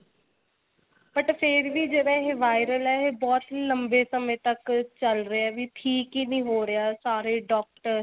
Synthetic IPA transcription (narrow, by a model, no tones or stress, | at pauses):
pəʈpʰɪɾʋiːd͡ʒenẽːɦeːʋaːɪɾəlɛːɦeːbɔːt̪nəmbeːsəmẽːt̪əkt͡ʃəlɾəaɛːʋiːʈʰiːkiːnĩːɦoːɾɪaːsaːɾeːɖɔːk̚ʈəɾ